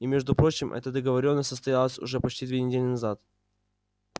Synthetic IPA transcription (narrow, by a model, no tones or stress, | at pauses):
imʲeʐd̪ʊpɾo̞t͡ɕɪmʔɛ̰t̪əd̪əɡəvɐɾʲo̞nːəsʲt̪səst̪ɐjalˠəsʲʊ̰ʐɛpɐt͡ɕtʲid̪vʲenʲɪdʲelʲɪnɐzat̪